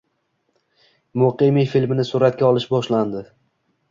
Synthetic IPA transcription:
mʊqimifilmɪnɪsʊɾat̪kʲaɒlˠɪʃbɒʃland̪ɪ

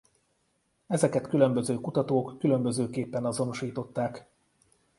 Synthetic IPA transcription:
ɛzɛkɛt̪kylø̞mbø̞zøːkut̪ɒt̪oːkːylø̞mbø̞zøːkeːpːɛnɒzo̞no̞ʃiːt̪o̞t̪ːaːk

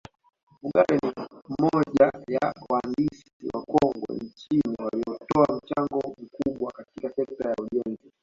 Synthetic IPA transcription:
muɡaɾɛnimɔʄajawandis | iwakɔŋɡɔ̰ɲt͡ʃiniwaliɔtɔam̩t͡ʃaŋɡɔm̩kuɓwakatikasɛk̚tajauʄɛnzi

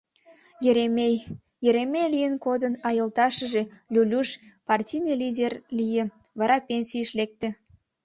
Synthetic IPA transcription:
jeɾemej | jəɾemejlijənkod̪ənɑjəlt̪ɑʃəʒe̽lʲulʲuʃpɑrtʲijnelʲidʲerlijĕ | βɑɾɑpʲenʲsʲijəʃlek̚t̪ĕ

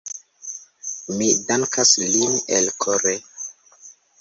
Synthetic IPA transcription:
midaŋkaslinḛlkʰoɾe

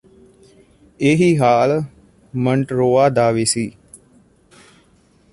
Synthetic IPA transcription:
eɦiɦaːlə | məɳʈɾoːaːd̪aːʋesi

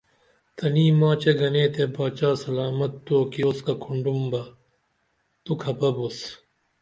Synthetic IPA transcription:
t̪ɐniːmãːt͡ɕeɡɐneːt̪ebaːt͡ɕaːsɐlaːmɐt̪ːoːkioskakʰuɳɖumbɐ | t̪ukʰɐpɐbus

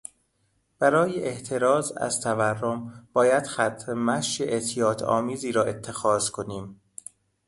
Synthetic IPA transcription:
b̥æɾɒːjeʔeʔt̪ʰeɾɒːzæ̰z̥t̪ʰæværːomb̥ɒːjæd̪̥xæt̪ʰɾemæʃeʔet̪ʰijɒːt̪ʰɒ̰ːmiːziːɾɒːe̞t̪ʰːe̞xɒːz̥kʰo̞niːm

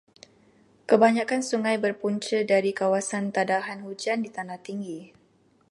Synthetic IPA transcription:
kəbaɲakansuŋajbərpuɲt͡ʃədaɾikawasant̪adaɦanhud͡ʒandit̪anaht̪iŋɡi

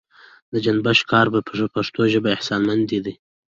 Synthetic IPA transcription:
d̪əd͡ʒanbaʃkɑɾbappaʂt̪oʒəbaɪhsɑnmand̪id̪i

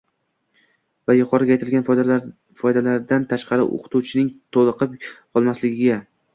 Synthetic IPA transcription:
vajʊqʰɒɾɪɡʲajt̪ʰɪlɡʲan | fɒjd̪alaɾd̪ant̪ʰaʃqɑɾɪ̰ʔo̰qʰɨ̥t̪ut͡ʃʰɪnɪŋt̪ʰolˠɨqʰɨpqʰɒlˠmaslɪɡʲɪɡʲa

